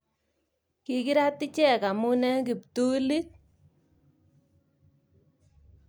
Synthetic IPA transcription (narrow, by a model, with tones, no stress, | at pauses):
ki˨ki˦ɾa˦tːi˦t͡ʃɛ˦˨ka˨mu˦nɛ˦ŋki˨ptu˦li˦k̚